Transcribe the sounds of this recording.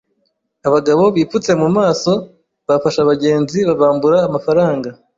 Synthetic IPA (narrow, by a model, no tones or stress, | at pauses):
aβaɡaβo̞βiːfut͡se̞mumaːso̞ | βafaʃaβaɟe̞ːnziβaβaːmbuɾaːmafaɾaːŋɡa